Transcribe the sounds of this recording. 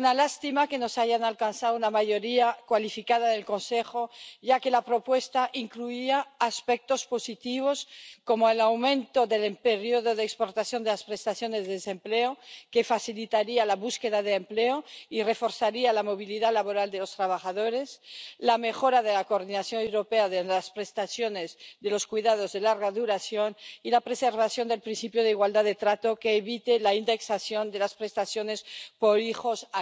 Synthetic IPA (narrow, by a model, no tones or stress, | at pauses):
nalast̪imake̞nosaʝanalkansaðounamaʝo̞ɾiakwalifikað̞aðe̞lko̞nsexo̞ʝake̞lapɾo̞pwe̞st̪aʔiŋkluiaːspek̚t̪o̞spo̞sit̪iβ̞o̞sko̞moelawmẽ̞nt̪o̞ðe̞lempeɾjoðo̞ðeːkspoɾt̪aθjo̞nd̪elaspɾe̞st̪aθjo̞nezðeðese̞mpleoke̞faθilit̪aɾialaβuske̞ðaðeːmpleoire̞fo̞ɾθaɾialamo̞β̞iliðalaβo̞ɾald̪e̞lo̞st̪ɾaβ̞aχaðo̞ɾe̞slame̞xo̞ɾaðelakoːɾðinaθjonewɾo̞peaðelaspɾe̞st̪aθjo̞ne̞zðe̞lo̞skwiðað̞o̞zðe̞laɾɣaðuɾaθjo̞nilapɾe̞se̞ɾβaθjo̞nd̪e̞lpɾinθipjoð̞eiɣwald̪aðet̪ɾat̪o̞keːβit̪elaind̪e̞ksaθjo̞nd̪e̞laspɾe̞st̪aθjo̞ne̞spo̞ɾixo̞sa